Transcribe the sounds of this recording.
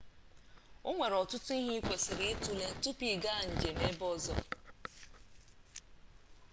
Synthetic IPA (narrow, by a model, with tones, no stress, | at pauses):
ʊ˦ŋʷe˨ɾɔ˨tʊ˦tʊ˦i˦ɦi˦i˦kʷe˨sɪ˨ɾɪ˦tu˦le˦n̩˦tʊ˦pi˦˨ɡa˦a˨n̩˨d͡ʒe˨me˦bɔ˦zɔ˦